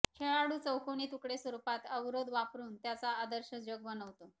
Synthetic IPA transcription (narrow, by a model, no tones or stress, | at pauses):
kʰeɭaɽuːt͡səwkʰoniːt̪ukɽesʋəɾupat̪əʋɾod̪ʋapɾuːnt̪jat͡saːd̪əɾɕəd͡ʑoɡ̚ʋənəʋt̪o